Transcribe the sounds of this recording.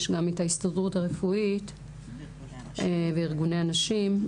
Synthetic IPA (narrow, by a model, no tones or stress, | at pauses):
ʃɡametaistadʁutaʁefuit | veiʁɡune̞anaʃim